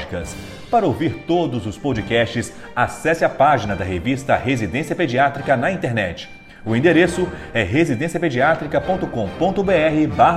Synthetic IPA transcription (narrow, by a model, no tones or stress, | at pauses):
ikɐs | paɾɐowviɾt̪od̪ʊzʊspod͡ʒikɛst͡ʃɪs | asɛsɪɐpaʒinɐd̪ɐɦevist̪ɐɦezid̪ẽsiɐped͡ʒiat̪ɾikɐnɐĩnt̪eɾnɛt͡ʃɪ̥ | ʊĩd̪eɾesʊɛɦezid̪ẽsiɐped͡ʒiat̪ɾikɐpõnt̪ʊkõpõnt̪ʊbeɛɦɪbaɦ